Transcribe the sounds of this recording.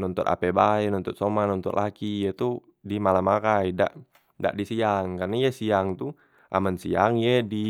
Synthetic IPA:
nɔnt̪ɔt̪a̰pɛbaɛnɔnt̪ɔt̪̚sɔmanɔnt̪ɔ̰ʔlakijet̪u | dimalamakaida̰ʔ | da̰ʔdisiaŋkarnaijasiaŋt̪u | ʔa̰mansiaŋjedi

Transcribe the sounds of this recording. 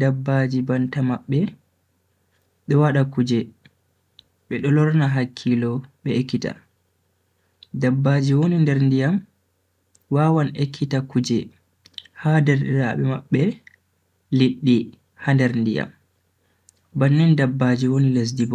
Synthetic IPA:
dabːad͡ʒibantamaɓːɛ | ɗɔwaɗakud͡ʒɛ | ɓɛɗɔlɔɾnaɦakʰːilɔɓɛekːita̰ | dabːad͡ʒiwonindɛɾndijam | wawanekʰːitakud͡ʒɛ | hadɛɾɗɛɾaɓɛmaɓːɛ | liɗːi | handɛɾndija̰m | banːɛndabːad͡ʒiwoniles̬dibɔ

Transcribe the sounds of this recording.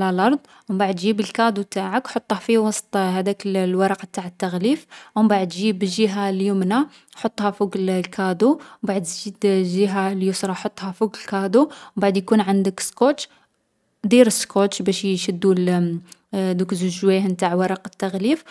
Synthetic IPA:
lælɑɾˤd̪ˤ | wmbaʕəd̪ʒibəlkɑd̪ut̪aʕəkħot̪ˤːhæfiwɑsˤt̪ˤhæd̪æklwɑɾˤɑqɑt̪aʕət̪ːæɣlifʔwmbaʕəd̪ʒibəʒiɦaljumna | ħot̪ˤːhæfuɡllkʰɑd̪uwbaʕəd̪ʒid̪ʒiɦaljusɾˤɑħot̪ˤːhɑfuɡləlkɑd̪uwbaʕəd̪jkunʕənd̪əkskoʃ | d̪iɾəskoʃbæʃʃəd̪ːul | d̪ukzuʒwihnt̪aʕwɑɾˤɑqɑ̥t̪ːæɣlif

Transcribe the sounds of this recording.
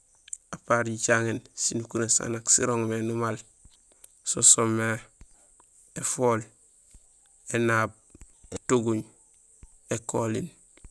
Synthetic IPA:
apaɾɟit͡ʃaŋensinukuɾesa̰naksḭɾoŋmenumal | sosomːe | efoːl | enaːb̚ | etuɡuɲ | ekolḭn

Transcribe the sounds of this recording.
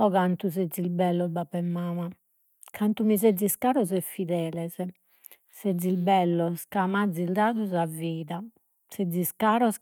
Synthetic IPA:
ɔɣant̪uzɛzːilbɛlːɔbapːɛmːaːma | kʰant̪umiz̬ɛd̪ziskaːɾɔzɛfːiðɛːlɛzɛ | sɛd̪zːilbɛlːɔskamad̪zild̪aːðuzaviːða | sɛdziskaːɾɔs

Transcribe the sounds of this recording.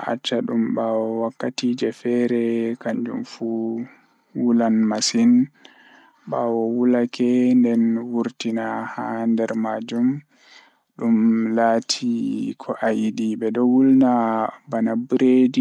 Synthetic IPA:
a̰t͡ʃːaɗumbawɔwakːatid͡ʒɛfɛɾɛkaɲd͡ʒṵmfu | wulanmasin | ɓawɔwulakʰɛndɛnwuɾtinahandɛɾmad͡ʒum | ɗumlaːtʰikʰɔʔajiɗibɛɗɔwulnabanabɾedi

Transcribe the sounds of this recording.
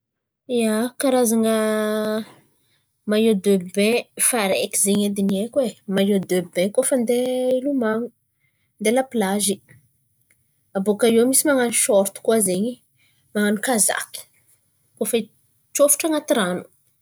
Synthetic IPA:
iakaɾazaŋə | majod̪øbbẽfaɾekizeɲed̪iniekwemajod̪øbɛ̃kofənd̪eilumaŋu | nd̪elaplaʒi | abokajewmisimaŋaniʃɔɾt̪u̥kwazeɲi | maŋanikaza̰kʲi̥ | kofi | t͡ʃofu̥ʈ͡ʂaŋat̪iɾanu̥

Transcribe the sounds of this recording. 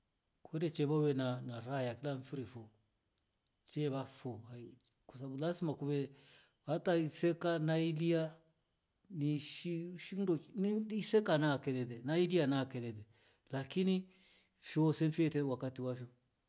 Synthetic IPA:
kedet͡ʃɛbawɛnanaɾajakilaɱfiɾifo | t͡ʃɛβafoaikosabulasimakubɛ | wataisɛkanailija | niʃiʃindonsekanakɛdɛdɛnailianakɛdɛdɛ | lakini | fiosɛnfɛtɛwakatiwafio

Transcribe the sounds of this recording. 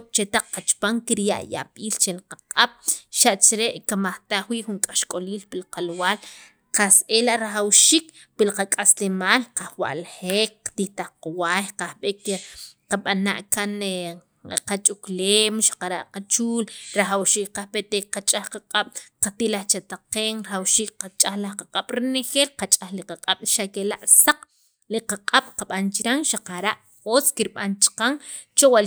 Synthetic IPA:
t͡ʃet̪aq͡χqat͡ʃpaŋkiɾja̰ʔja̰ɓiːlt͡ʃelqaqʼaɓ̥ʃaʔt͡ʃɾeʔkamaχt̪aχwiʔxuŋkʼaʃkʼoliːlpilqalwaːl | qasʔelaʔɾaχawʃiːk | pilqakʼaslemaːlqaχwa̰ʔlχeːkqt̪iht̪aχqwaːjqahɓekqaɓana̰ʔkan | qat͡ʃʼukleːmʃḁqaɾa̰ʔqat͡ʃuːlɾaxawʃiːk̚qahɓet̪ekqat͡ʃʼahqaqʼaɓ̥qat̪ilaχt͡ʃat̪aqeːŋɾaχawʃiːk̚qat͡ʃʼaxlahqaqʼaɓ̥ɾinexeːlqat͡ʃʼaxliqaqʼaɓ̥ʃakela̰ʔsaq͡χ | liqaqʼaɓ̥qaɓant͡ʃiɾaŋʃaqaɾa̰ʔ | xoskiɾɓa̰nt͡ʃi̥qaŋt͡ʃowa

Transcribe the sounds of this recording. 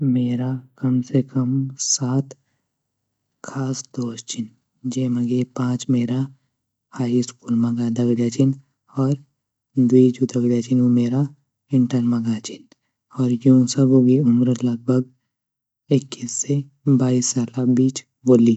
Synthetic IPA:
meːɾakɐmsekɐmsaːt̪ | kʰaːsd̪oːst͡ʃʰɪn | d͡ʒeːməɡepãːt͡ʃmeːɾa | haːiskuːlmɐɡaːd̪ɐɡɽjat͡ʃɪn | ɔːɾ | d̪uid͡ʒud̪ɐɡɾjat͡ʃɪnomeːɾa | ɪ̃ɳʈəɾmɐɡat͡ʃɪn | ɔːɾjoũsɐbobʱiʊmɾəlɐɡ̚bʱəɡ | ekːiːsːe | baːisːaːlabiːt͡ʃ | boːli

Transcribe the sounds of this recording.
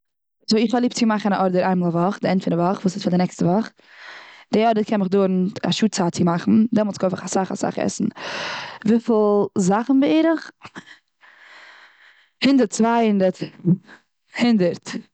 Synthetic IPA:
zoːɪχvalˠiːp̚t͡sɪmaχn̩aʔɔɾdəɾʔaɪmalˠavɔχdɪɛntfɪnavɔχvuːsɪsfaɾdɪnɛkstəvɔχ | d̥ɪɔɾdəkʰɛnmɪχdoːɾn̩a̰ʃuːt͡saːt͡sɪmaχn̩dɛmɔlˠsɡoɪfɪχasaχa̰sa̰χɛ̰sn̩ | viːflˠzaχn̩bɪeːɾəχ | hɪndəɾtt͡svaɪhɪndəɾt | hɪndəɾt

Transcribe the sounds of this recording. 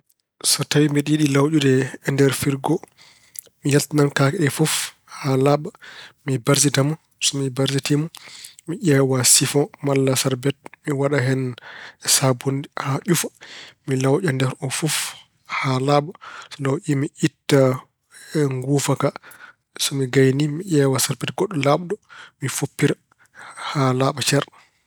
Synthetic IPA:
sɔtawimbiɗiɗilawɗudɛːndɛɾfiɾɡɔ | mijaltanankakɛɗɛfɔf | halaɓamibaɾs̬itamɔ | sɔmibaɾsitimɔmiʔɛwasifɔmalːasaɾbɛt̚miwaɗaɦɛnsabundihaʔufḁmilawʔʲandɛɾɔfuf | halaɓasɔlawʔimiʔitːa | ŋɡuːfaka | sɔmiɡajnimiʔɛːwasaɾbɛtɡɔɗːɔlaɓɗɔmifopːiɾa | halaɓat͡ʃɛɾa

